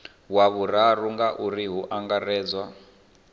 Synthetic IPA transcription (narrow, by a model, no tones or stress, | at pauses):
waβuraruŋɡaʔuriɦuʔaŋɡarɛːd͡zwa